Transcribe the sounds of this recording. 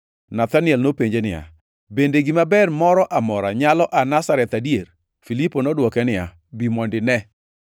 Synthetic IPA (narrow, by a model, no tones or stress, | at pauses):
nat̪anɪɛlnopeɲd͡ʒenɪja̰ | bendeɡimabɛrmɔɾɔʔamɔɾaɲalɔʔanasaɾɛt̪adier | filiponɔdwɔkɛnɪa | bimɔndɪnɛ